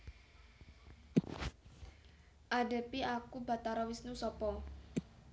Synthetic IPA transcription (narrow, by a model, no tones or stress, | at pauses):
ʔaɖe̤piakuba̤t̪aɾɔwisnusɔpɔ